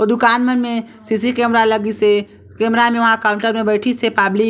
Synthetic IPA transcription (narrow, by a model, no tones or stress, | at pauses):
ɔːɾd̪ʊkaːnmənmẽ | sisikeːmɾalɐɡise | keːmɾamẽʋɐɦãkaːʊɳʈəɾmẽbəːʈʰisepaːbli